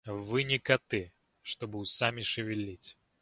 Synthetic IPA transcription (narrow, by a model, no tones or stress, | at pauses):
vɨnʲɪkɐt̪ɨ | ʂt̪obɨʊsamʲɪʂɨvʲɪlʲːitʲ